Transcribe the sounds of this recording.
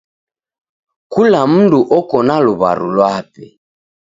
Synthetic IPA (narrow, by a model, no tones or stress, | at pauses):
kulam̩nduʔɔkɔnaluβa̰ɾṵlwapɛ